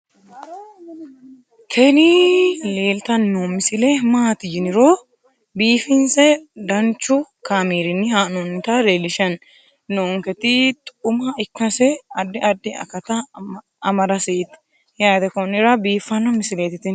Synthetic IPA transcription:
kʰɛnɪle̞ːlt̪ɐnːomɪsɪlemaːt̪ɪd͡ʒɪnɪɾo | biːfɪnsɛd̪ɐnt͡ʃːʊkaːmiːɾɪnːɪhaːnɔnt̪ɐleːlɪʃɐnː | oŋkɛt̪ɪt̪ʼʊmɐɪkːɐsɛɐd̪ːɪʔɐd̪ːɪɐ̰kɐt̪ɐ | ɐmɐɾɐseːt̪ | jaːd̪ɛkɔnɪɾɐbiːfːɐnːɔmɪsɪleːt̪ɪt̪ɪn

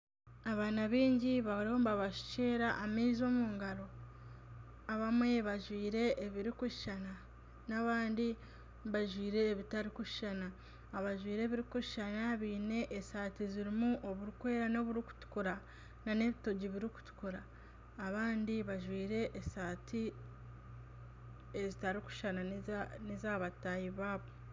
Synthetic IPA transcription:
aβaːnaβiːɲɟiβaɾooːmbaβaʃu̥ceːɾaʔːmiːzo̞ːmuːŋɡaɾo̞ | aβamwe̞βaʒwiːɾe̞ːβiɾikuʃʃana | naβaːndi | βaʒwiːɾe̞ːβitaɾikuʃʃanaː | βaʒwiːɾe̞ːβiɾikuʃi̥ʃanaβiːne̞ʔːsaːtiziɾimuʔo̞βuɾukwe̞ːɾano̞βuɾiku̥tu̥kuɾa | nane̞βito̞ɟiβiɾiku̥tu̥kuɾaː | βaːndiβaʒwiːɾe̞ʔːsaːtʰi | ezitaɾiku̥ʃananizaːβatajiβaːβo̞

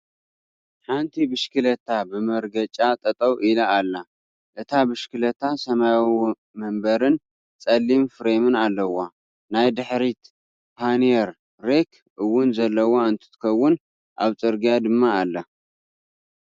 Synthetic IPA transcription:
ħant̪ʰibɨʃkɨlɐt̪ʰabɨmɐɾɡɐt͡ʃʼat̪ʼɐt̪ʼɐwʔilɐalːa | ʔɨt̪ʰabɨʃkɨlɐt̪ʰasɐmawi | mɐmbɐɾɨn | t͡sʼɐlːimfɨɾemɨnalːɐwa | najd̪ɨħɾit̪ | pʰanijeɾː | ekʰ | ʔɨwːʊnzɐlːɐwoɨnt̪ʰɨ̥t̪ʰɨ̥kʰɐwːʊn | ʔa̰βt͡sʼɨɾɡijad̪ɨmːaːlːɐ

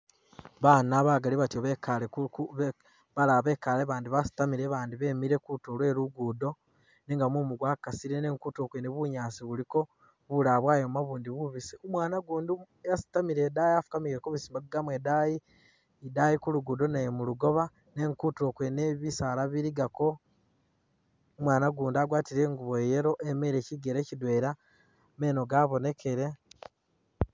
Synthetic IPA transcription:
βaːnaβaɡaliβatioβekalek | βalaβe̞ːkaleβaːndiβasi̥tamiɾeβaːndiβe̞ːmiɾekutolwe̞ːɾuɡudo̞ | niŋɡamumuɡwaːkasiɾene̞ːŋkutokweneβuɲaːsiβuliko̞ | βulaβwaːjomaβuːndiβuβisiumwaːnaɡuːndu | jasi̥tamiɾedajafu̥kamiɾekoβisimakiɡamwedaji | idajikuluɡudo̞namuluɡo̞βa | ne̞ːŋkuto̞ːkweneβisalaβiɾiɡako̞ | omwaːnaɡuːndaɡwaːtiɾe̞ːŋɡuβoejeɾo̞ʔeme̞ɾeciɡeɾecidwe̞ːɾa | me̞ːno̞ɡaːβo̞ne̞kʰe̞ɾe̞

